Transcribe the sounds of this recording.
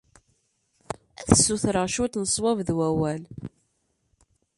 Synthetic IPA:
æθəsːuθɾəʃut̪nəsˤwævðwæwæl

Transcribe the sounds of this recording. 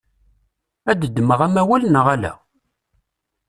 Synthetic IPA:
æd̪əd̪ːməʁæmæwælənəʁælæ̰

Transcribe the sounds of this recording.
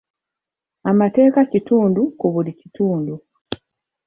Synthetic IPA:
amate̞ːkacituːndukuβulicituːndu

